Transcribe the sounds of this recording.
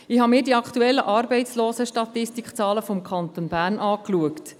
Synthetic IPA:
ɪɦɑmɪːɾdiɑkχt̪uɛlːəʔɑːɾbɛɪtt͡sloːsəʃtɑt̪ɪstikt͡sɑːləfɔmkʰɑnt̪onbæːrnʔɑːkluəkt

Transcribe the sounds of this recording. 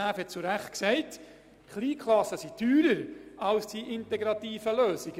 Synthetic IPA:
æːfhɛt̚t͡suɾæχt̚ksɛɪt | χliːkʰχlɑsəsityːɾəɾɑlsd̥iʔɪntɛɡɾɑtiːfəløːsiɡ̥

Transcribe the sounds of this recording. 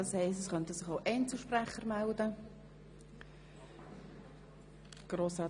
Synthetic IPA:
ɑshɛɪstɛsχœntəsɪχoʊʔɛnt͡sl̩ʃprɛχəɾmældə | ɡ̥roːsɑ

